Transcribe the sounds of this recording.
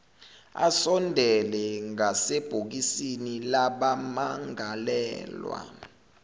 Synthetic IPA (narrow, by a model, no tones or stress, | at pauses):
a̰sɔndʱɛlɛŋaseb̥ʱok̬isinilaɓamaŋalɛ̰ːlwa̰